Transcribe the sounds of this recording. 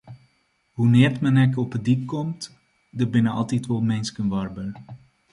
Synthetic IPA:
ɦunɪːrtmənɛkɔpədik̚kɔmt | dəbɪnəɑ̰lˠtitʋɔlˠmɛjnskənʋɑrbər

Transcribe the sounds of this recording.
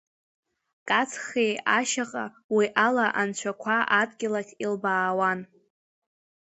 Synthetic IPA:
kʼat͡sʰχejaʃaqʼa | wiʔalaʔant͡ʃʷʰakʷʰaʔadɡʲɪlakʲʰʼilbaːwan

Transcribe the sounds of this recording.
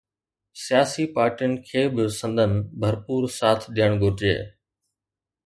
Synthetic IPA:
sɪjaːsipaːɾʈijʊnɪ̆kʰeːbɪsə̃nd̪ʱənɪbʱəɾpuːɾsaːt̪ʰɗ̪ijəɽ̃ɡʱʊɾd͡ʒḛː

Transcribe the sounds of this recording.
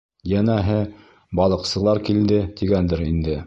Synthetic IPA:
jænæɦɘ | bɑlˠɤ̆qsɤ̆lˠɑɾkild̪ɘt̪ʰiɡænd̪ɘɾind̪ɘ

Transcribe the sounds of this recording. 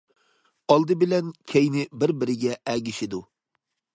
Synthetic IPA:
ɑlˠd̪ɨbɪlɛnkʲʰejnɪbɪɾbɪɾɪɡʲɛɛɡʲiʃɪd̪u

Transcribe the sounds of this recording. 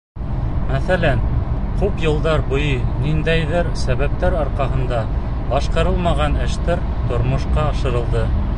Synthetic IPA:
mæθælæn | kʉpjɤ̆lˠd̪ɑɾbŏjɤnind̪æjðɘɾsæβæp̚t̪æɾɑɾqɑɦɤ̆nd̪ɑ | bɑʃqɑ̆ɾɤlˠmɑʁɑnɘ̆ʃt̪æɾ | t̪ŏɾmŏʃqɑːʃɤ̆ɾɤ̆lˠd̪ɤ

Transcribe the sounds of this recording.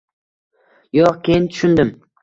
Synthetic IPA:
joqkʲejɪnt̪ʰʊʃʊnd̪ɪm

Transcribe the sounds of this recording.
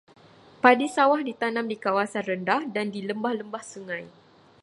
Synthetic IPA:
padisawahdit̪anãmdikawasanrəndahdandiləmbahləmbahsəŋãj

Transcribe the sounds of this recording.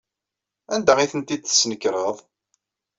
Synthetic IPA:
ænd̪æʁiθənt̪id̪θə̥snəkːɾˤəðˤ

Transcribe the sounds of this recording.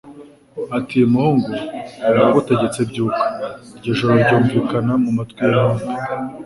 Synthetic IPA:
atimuhuːŋɡuɾaaβote̞ɟe̞t͡se̞bɟuːkḁɾɟeʒo̞ɾoɾɟoːɱviːkanamumatkwijamoːnde

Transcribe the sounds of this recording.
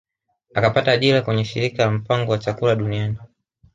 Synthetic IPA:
akapataːʄilakwɛɲɛʃḭɾikalam̩paŋɡɔwat͡ʃakulaɗuniani

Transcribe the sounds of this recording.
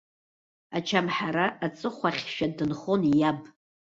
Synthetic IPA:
at͡ʃʰamħaɾaːt͡sʼɨχʷaχʲʃᶣadɨnχonjabʼ

